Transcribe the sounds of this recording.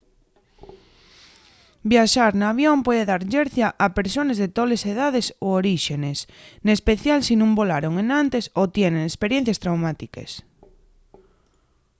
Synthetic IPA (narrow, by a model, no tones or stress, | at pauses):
bjaʃaɾnaːβ̞jompweðeðaɾʎeɾθjaʔapeɾsonezðet̪oleseð̞að̞esooɾiʃenesnespeθjalsinũmbolaɾoŋenant̪esot̪jenẽŋespeɾjẽn̟θjast̪ɾawmat̪ikḛs